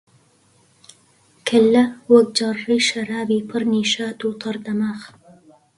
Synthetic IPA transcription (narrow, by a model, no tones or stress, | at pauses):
kʰɐlːɐwɐk̚d͡ʒɑrːiːʃɐɾaːbiːpʰɨɾniːʃaːt̪uːt̪ˤʰɑɾd̪ɐmaːx